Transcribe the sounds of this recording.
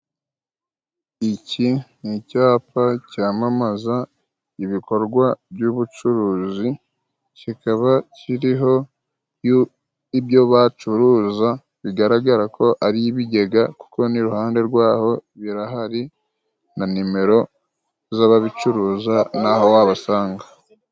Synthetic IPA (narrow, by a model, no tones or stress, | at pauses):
icinicaːpacaːmamaza | iβiko̞ɾɡwaβjuːβut͡ʃuɾuːzi | cikaβaciɾiɦo̞ | ju | iβjo̞βat͡ʃuɾuːza | βiɡaɾaɡaɾakʰo̞ʔaɾiβiɟe̞ɡaku̥ko̞niɾuhaːnde̞ɾɡwaːho̞βiɾaɦaɾi | nanime̞ɾo̞ | zaːβaβit͡ʃuɾuːzanaho̞waβasaːŋɡa